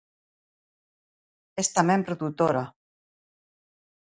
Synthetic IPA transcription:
est̪amempɾoðut̪oɾa

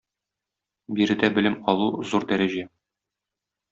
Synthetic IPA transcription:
biɾɘ̆d̪æbɘ̆lɘmɒlˠuzuɾd̪æɾæʑæ

